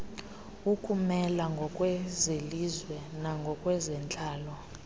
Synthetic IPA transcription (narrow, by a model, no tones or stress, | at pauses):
ukʰʼumɛlaŋɡʱɔkʼwɛzelizwɛnaŋɡʱɔkʼwɛzɛnt͡ɬʼaːlɔ